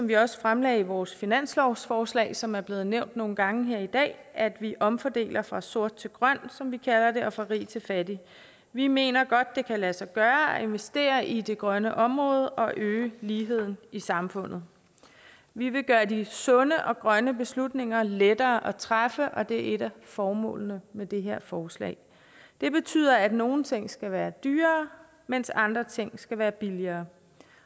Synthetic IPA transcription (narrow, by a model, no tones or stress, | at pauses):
sɒ̽mʋiɒ̽sə̥fʁamlɛːɪiʋɒːsfinæn̰slɒʊ̰sfɒːslɛ̰ːɪsɒ̽mæɐb̥le̝ːð̞̩ˠneʊ̰nd̥no̝ːn̩ɡ̥ɑ̈ŋ̩ɦe̝ɐ̰id̥ɛ̰ːʔæd̥ʋiʔɒ̽mfɒd̥e̝̰ːlɐfʁɑ̈so̝ɐ̰d̥̚t͡sʰe̝lɡ̥ʁɶn̰sɒ̽mʋikʰælɐde̝ʔɒ̽fʁɑ̈ʁḭːt͡sʰe̝lfædi | ʋime̝̰ːnɐɡ̥ɒ̽d̥̚ːe̝kʰælæsɑɡ̥ɶːɐɒe̝nʋesd̥e̝̰ːɐʔid̥e̝ɡ̥ʁɶnəʔɒ̽mʁɔ̽ːð̞ˠʔɒ̽ʔøːliːɦe̝ð̰ˠn̩isɑ̈mfɔ̽n̰ð̩ˠ | ʋiʋe̝ɡ̥ɶːɐdisɔ̽nəʔɒ̽ɡ̥ʁɶnəb̥e̝slud̥ne̝ŋ̰ɐled̥ɐːʔɒt͡sʰʁafəʔɒ̽d̥e̝ɐe̝ɾæfɒːmɔ̰̽ːlnəmed̥e̝ɦe̝ɐ̰fɒːslɛ̰ːɪ | d̥e̝b̥e̝t͡sʰy̰ːð̰ˠɐæd̥no̝ːn̩t͡sʰe̝ŋ̰sɡ̥æʋæːɐd̥yːɐː | men̰sɑ̈nd̥ʁɐt͡sʰe̝ŋ̰sɡ̥æʋæːɐb̥iliɐː